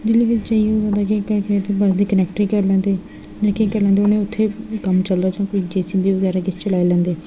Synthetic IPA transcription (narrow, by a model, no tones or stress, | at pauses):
d͡ʒɪliːʋɪt͡ʃd͡ʒaːiːoʋə̃d̪aːkekəɾkːt̪eːbəsd̪iːkənɛːkʈɾiːkəɾlɛ̃ːnd̪eː | d͡ʒãːkekəɾlɛ̃ːd̪eoːnẽːʊt̪ʰːeːkəmt͡ʃəld̪aːd͡ʒãːkoiːd͡ʒeːsiːd̪iːʋəɡɛːɾaːkɪt͡ʃʰt͡ʃəlaːeːlɛ̃ːnd̪eː